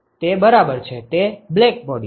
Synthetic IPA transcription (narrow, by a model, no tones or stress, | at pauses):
t̪ebəɾabəɾt͡ʃʰet̪eblek̚bɔɽi